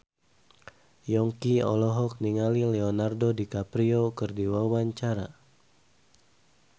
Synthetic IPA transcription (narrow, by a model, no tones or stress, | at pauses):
jɔŋkiɔ̰lɔɦɔk̚niŋalilɛɔnardodikapɾiokɨrdiwawaɲt͡ʃaɾa̰